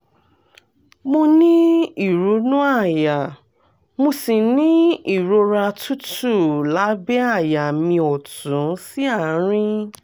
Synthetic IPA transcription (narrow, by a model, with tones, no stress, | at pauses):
mo˧nĩ˦i˦˨ɾu˨˦nũ˦a˦˨ja˨ | mo˧si˨nĩ˦i˦˨ɾo˧ɾa˧tʰu˦tu˦˨la˨˦bɛ˦a˦˨ja˨mĩ˧ɔ˨tũ˨˦si˦a˦˨˦ɾ̃ĩ˦